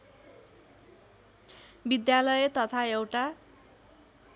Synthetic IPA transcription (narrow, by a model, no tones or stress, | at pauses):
bid̪jalʌjet̪ʌt̪ʰaewʈa